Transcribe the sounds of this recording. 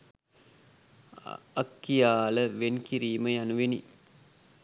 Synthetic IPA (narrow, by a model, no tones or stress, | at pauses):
ɐkːijaːləʋenkiɾiːməjanuʋeni